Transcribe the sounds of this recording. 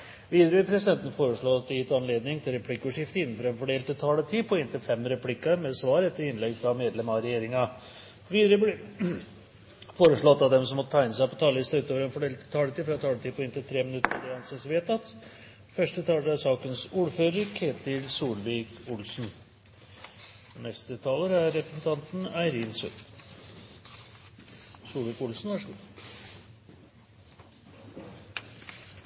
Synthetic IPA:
ʋiːd̪əɾəʋɪpʰɾɛsɪd̪ɛnt̪ən̩foːɾəʂɭoɑt̪ːɛjɪt̪ɑnleːd̪nɪŋt̪ʰɪlɾɛpʰlɪkːʉʂɪft̪əɪnːən̩fɔɾɛnfɔɖeːlt̪ʰːɪt̪ʰɑːlət̪ʰiːpʰɔɪnt̪ʰɪlfɛmɾɛpʰlɪkːəɾmɛsʋɑːɾɛt̪ːəɾɪnlɛɡfɾɑmeːd̪lɛmɑɾɛjeːɾɪŋɑ | ʋiːd̪ɾə | foːɾəʂɭɔt̪ːɑd̪ɛmsɔmɔt̪ːət̪ʰæɪnəsæɪpɔt̪ʰɑːləɪslʉt̪ːoːʋɾɛnfɔɖeːlt̪ʰɪt̪ʰɑːlət̪iːfɾɑt̪ʰɑːlət̪iːpʰɔɛnt̪ɪt̪ʰɾeːmɪnʉt̪ːəɾd̪ɛɑnsɛsʋeːt̪ɑt̪ | fœʂʈət̪ʰɑːləɾəæsɑːkənsuːɾføːɾəɾkʰeːt̪ɪlsuːlʋiːkʊlsn̩ | nɛst̪ət̪ʰɑːləɾæɾːɛpɾəsn̩t̪ʰɑnt̪n̩æɪɾiːnsʉ̰n | suːlʋiːkʊlsn̩ʋɑːʂɡuː

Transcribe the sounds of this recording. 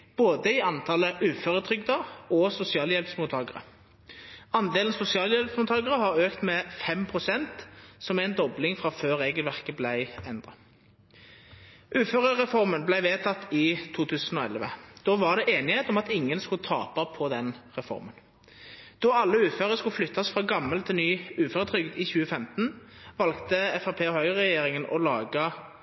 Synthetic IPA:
b̥oːd̪əɪɑnt̪ʰɑləʔʉːføːʁət̪ʰʁʏɡd̪əʁɔsʊsɪɑːljɛlpsmuːt̪ʰɑːɡəʁə̰ | ɑnd̪eːlnsʊsɪɑːljɛlpsmuːt̪ʰɑːɡəʁəɦɑʁøːkt̪mɛfɛmpʰʁʊsɛnt̪sɔmæɪnd̪ɔblɪŋfʁɑføːʁeːɡəlʋæʁkəblæɪɛnd̪ʁɑ̰ | ʔʉːføːʁəʁɛfɔʁmənblæɪʋeːt̪ʰɑt̪ːɪt̪ʰuːt̪ʰʉːsənɔɛ̰lʋəd̪̥ɔʋɑʁd̪ɛʔeːnɪheːt̪ɔmɑt̪ɪŋːənskʊt̪ʰɑ̰ːpɑpʰɔd̪ɛnʁɛfɔ̰ʁmən | d̪̥ɔɑlːəʉːføːʁəskʉlflʏt̪ːɑsfʁɑːɡɑmːəlt̪ʰɪlnyːʉːføːʁət̪ʰʁʏɡd̪ɪçʉːəfɛmt̪n̩ʋɑlkt̪əɛfɑpʰeːɔhœʏʁɛjeːʁɪŋənɔ̰lɑːɡə

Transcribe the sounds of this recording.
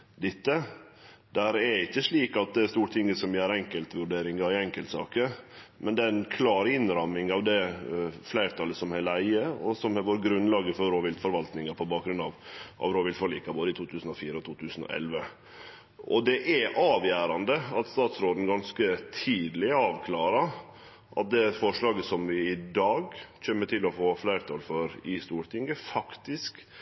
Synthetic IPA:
d̪ɪt̪ːə | d̪æɾɛɾɪçːəʂɭiːkɑt̪̚d̪ɛæst̪uːʈ̪ʰɪŋɡəsɔmjæːɾɛŋkəlt̪ʋʉɖeːɾɪŋɑɪɛŋkəlt̪sɑ̰ːkəɾ | mɛnd̪ɛæɛnkʰlɑːɾɪnɾɑmɪŋɑʋd̪ɛflæɪɾt̪ʰɑləsɔmhɛlæɪəɔsɔmhɑʋoːɾɡɾʉnlɑːɡəfɔɾɾoːʋɪlt̪fɔɾʋɑlt̪nɪŋɑpʰɔbɑːkɡɾʉnɑʋʔɑ̰ʋɾoːʋɪlt̪fɔliːkɑboːd̪əɪt̪ʰuːt̪ʰʉːsən̩ɔfiːɾəɔt̪ʰuːt̪ʰʉːsən̩ɔ̰ʔɛ̰lʋə | ʔɔd̪ɛʔɛʔɑːʋjæːɾɑnd̪əɑt̪st̪ɑːt̪sɾoːd̪n̩ɡɑnskət̪ʰiːd̪lɪɑːʋkʰlɑːɾɑɾ | ʔɑ̰t̪̚d̪ɛfɔʂlɑːɡəsɔmʋɪɪd̪ɑːɡc͡çøːmːəʈʰɪlɔfoːflæɪɾt̪ʰɑlfɔɾɪst̪uːɾʈ̪ɪŋɡəfɑkt̪ɪsk

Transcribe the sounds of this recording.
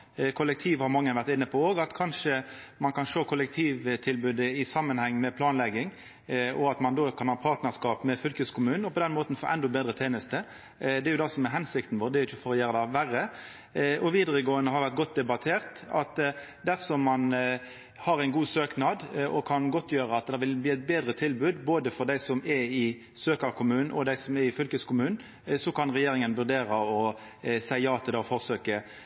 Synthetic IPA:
kʰʊlːək̚t̪ʰiːʋhɑɾmɑŋːənʋæʁt̪ɪnːəpʰɔoːɡɑt̪kʰɑnʂəmɑnkʰɑnʂoːkʰʊlək̚t̪ʰiːʋt̪ʰɪlbʉːd̪əɪsɑmːənhɛŋːmɛpʰlɑːnlɛɡːɪŋ | ʔɔɑt̪mɑnd̪oːkʰɑnhɑːpʰɑːʁt̪nəʁskɑːpmɛfʏlkəskʰʊmʉːnɔpɔd̪ɛnmoːt̪n̩fo̰ːʔɛnd̪ʊbeːd̪ʁət̪ʰeːnəst̪ə | d̪ɛɾjʊd̪ɑsɔmɛɦɛnsɪkt̪n̩ʋoːʁd̪ɛɾjɪçəfɔɾɔjæːɾəd̪ɑʋærːə | ʔɔʋiːd̪əɾəɡoːənəhɑɾʋæʁt̪̚ɡɔt̪̚d̪ɛbɑt̪ʰeːʁt̪ɑt̪ | d̪æʁsɔmːɑn | hɑɾæɪnɡuːsøːknɑd̪ʔɔkʰɑnɡɔt̪ʰːjøːɾəɑt̪̚d̪ɛʋɪlbliːæɪt̪̚beːd̪ɾət̪ʰɪlbʉːd̪boːd̪əfɔʁd̪æɪsɔmɛɪ | søːkəɾkʰʊmʉːn̩ʔɔd̪æɪsɔmɛɾɪfʏlkəskʰʊmʉːn̩ | sɔkʰɑnʁɛjeːɾɪŋənʋʉʁd̪eːɾəɔ | sæɪjɑːt̪ʰɪlɑɔfɔʁsøːkə

